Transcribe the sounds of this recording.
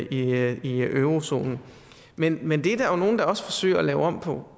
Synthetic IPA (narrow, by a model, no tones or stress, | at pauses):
iiøʊʁo̝so̝̰ːnn̩ | menmend̥e̝d̥æno̝ːn̩d̥ɑ̈ɒ̽sfɒ̽sø̰ɪɐɒlɛːʊɒ̽m̰pʰɒ̽